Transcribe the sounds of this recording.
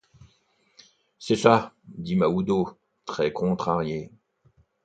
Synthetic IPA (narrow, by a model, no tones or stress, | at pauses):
sɛsad̪imaud̪o | t̪χɛkɔ̃t̪χaʁje